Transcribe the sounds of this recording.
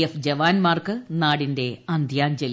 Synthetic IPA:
efd͡ʑɐʋaːnmaːrkɨnaːɽinde̞ɐnd̪ʱjaːnd͡ʑel

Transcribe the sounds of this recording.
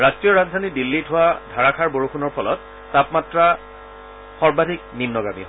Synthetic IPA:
ɹastɹijɔɹazdʱanidilːitʰʊwadʱaɹakʰaɹboɹuxʰunɔɹpʰɔlɔtː | apmatɹa | xɔɹbadʱik̚ninːɔɡamḭɦo

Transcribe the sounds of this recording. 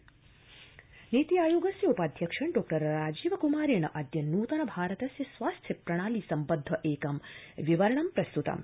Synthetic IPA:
niːt̪ijaːjuːɡɐsjɐupaːd̪ʱjɐkʂɐɳɖoːk̚ʈɐɾɾaːd͡ʒiːʋɐkumaːɾeːɳɐʔɐd̪jɐnuːt̪ɐnɐbʱaːɾɐt̪ɐsjɐsʋaːst̪ʰjɐpɾɐɽ̃aːliːsɐmpɐd̪ʱːɐʔeːkɐmʋiʋɐɾɐɳɐmpɾɐst̪ut̪ɐ̰m

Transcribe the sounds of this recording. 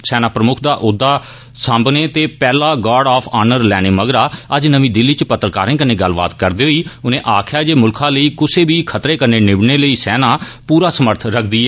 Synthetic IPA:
sɛːnaːpɾəmʊkʰd̪aːʔʊd̪ːaː | sãmbneːt̪eːpɛːlaːɡaːɖaːpʰaːnəɾlɛːneːməɡɾaːəd͡ʒnəʋĩːd̪ɪlːiːt͡ʃpət̪ːɾkaːɾẽːkəneːɡəlba̰ːt̪kəɾd̪eːɦoiːʊnẽːʔaːkʰjaːd͡ʒeːmʊlkʰãːləiːkʊseːbiːkʰət̪ɾeːkəneːnɪbneːləiːsɛːnãːpuːɾaːsəməɾt̪ʰɾəkʰd̪iːɛː

